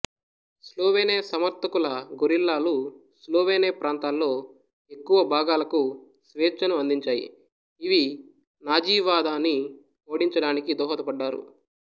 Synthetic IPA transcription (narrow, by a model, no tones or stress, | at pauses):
sloːʋeːneːsɐmɐɾt̪ɐkulɐɡoɾilːaːlusloːʋeːneːpɾaːnt̪aːlːo̞ː | e̞kːuʋɐbʱaːɡaːlɐku | sʋeːt͡ʃːɐnuɐnd̪iɲt͡ʃaːjḭ | iʋi | naːd͡ʒiːʋaːd̪aːni | oːɽiɲt͡ʃɐɽaːnikid̪ɔːɦɐt̪ɐpɐɖːaːɾṵ